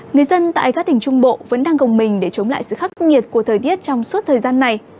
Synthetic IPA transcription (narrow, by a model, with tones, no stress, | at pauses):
ŋɨ˨˩əjzə˧nt̪a̰ː˧˨jkaː˦˥k̚t̪ï˨˩ŋ̟t͡ɕʊ˧ŋ͡mɓo̰˧˨və̰˧˥nɗaː˧ŋkə˨˩wŋ͡mmï˨˩ŋ̟ɗe˧˩t͡ɕə˨˦wŋ͡mla̰ː˧˨jsɨ̰˧˨xa˦˥k̚ŋi˨˩ət̚ku˧˩ət̪ʰəː˨˩jt̪i˦˥ət̚t͡ɕɔ˧wŋ͡mswt̚t̪ʰəː˨˩jzaː˧nːa˨˩j